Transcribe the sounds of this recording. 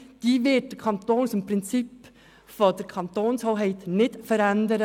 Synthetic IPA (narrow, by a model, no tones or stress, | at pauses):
d̪̥iːʋɪɖ̚kʰɑnt̪oːnsɔmpʰɾɪnsɪpː | fɔd̪ɛɾkʰɑnt̪oːnshoːɦeɪt̪nɪd̪fɔɾɛnd̪əɾə